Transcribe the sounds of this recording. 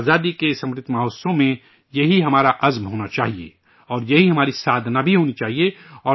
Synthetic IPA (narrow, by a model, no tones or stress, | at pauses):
azaːd̪ikesɐ̃mɾɪt̪ʰːmaɦoːsõmẽ | jɐɦiɦɐmaːɾaʔɐzmɦoːnat͡ʃaːɦiḛ | ɔːɾjɐɦiɦɐmaːɾisaːd̪ʱnabʱiɦoːnit͡ʃaːɦieɔː